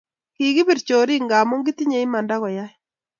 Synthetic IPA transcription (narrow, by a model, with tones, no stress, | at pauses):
ki˨ɣi˦bi˨ɾt͡ʃo˨ɾi˦ŋɡa˨mo˦ŋɡɪ˦ti˦ɲe˨i˦ma˨nda˦ɣɔ˨ja˦ɛ˦